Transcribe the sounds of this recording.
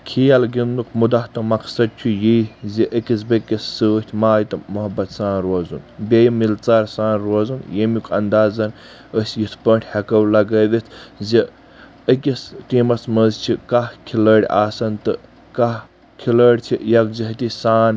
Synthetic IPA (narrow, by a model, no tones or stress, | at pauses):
kʰijɐlɡind̪ukʰmud̪ɐht̪ɐmɐksɐd̪̚t͡ʃʰujiziʔəkʲisbekʲisːəːht̪ʰʲmaːjt̪ɨmuɦɐbːɐt̪saːnɾoːzṵnbʲejmilt͡saːɾsaːnɾoːzunjemikʰɐ̰nd̪aːzɐn | əsʲjit̪ʰpəɳʈʰʲhɐkɐwlɐɡəːʋit̪ʰzi | əkʲisʈiːmɐsməzt͡ʃʰikahkʰiləːɽʲa̰ːsɐnt̪ɨ | kah | kʰiləɽʲt͡ʃʰijɐk̚ziɦt̪isaːn